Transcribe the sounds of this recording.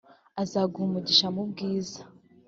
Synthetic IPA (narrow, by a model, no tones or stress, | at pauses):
azaːɡuhumuɟiʃamub̚ɡiːzḁ